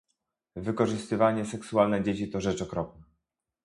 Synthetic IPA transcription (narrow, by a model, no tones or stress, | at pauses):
vɘkɔʐɘst̪ɘvaɲɛsɛksualnɛd͡ʑet͡ɕit̪ɔʐɛt͡ʂɔkɾɔp̚nɛ